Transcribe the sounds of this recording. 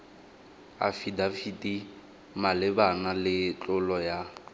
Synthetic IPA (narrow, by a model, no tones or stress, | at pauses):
a̰fidafitʼi | malɪbanalɪt͡ɬʼʊlɔja